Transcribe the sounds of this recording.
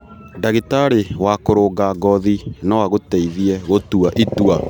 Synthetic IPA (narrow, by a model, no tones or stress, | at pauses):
daɣetaɾewakoɾoːɡaɡɔðinawaɣoteiðiɛɣotuaʔitua